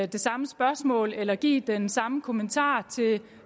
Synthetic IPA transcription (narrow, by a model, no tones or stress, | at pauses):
d̥e̝sɑ̈məsb̥ɶɐsmɔ̰̽ːlelɐɡ̥ḭːd̥ensɑ̈məkʰo̝mənt͡sʰɑ̰̈ːt͡sʰe̝